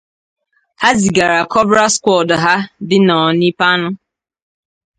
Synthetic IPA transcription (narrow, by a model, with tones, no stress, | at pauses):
ha˦zi˨ɡa˨ɾa˨kɔ˦bɾa˦skʷɔ˨dɦa˦dɪ˦nɔ˨ni˦pa˦nʊ˦